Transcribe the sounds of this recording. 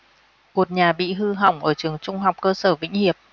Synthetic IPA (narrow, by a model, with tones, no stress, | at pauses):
ku˨˩ət̚ɲaː˨˩ɓḭ˧˨ɦɨ˧ɦa˨˧˩wŋ͡mʔəː˧˩t͡ɕɨ˨˩əŋt͡ɕʊ˧ŋ͡mɦa˨˩wk͡p̚kəː˧səː˧˩vḭ˧˥ŋ̟hi˨˩əp̚